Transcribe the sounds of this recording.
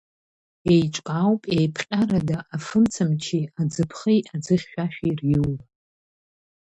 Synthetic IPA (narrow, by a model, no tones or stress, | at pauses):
ejt͡ʃʷʼkʼawpʼejpʰqʲʼaɾadaʔafɨmt͡sʰamt͡ʃʰiad͡zɨpʰχijad͡zɨχʲːᶣaʃᶣirjiw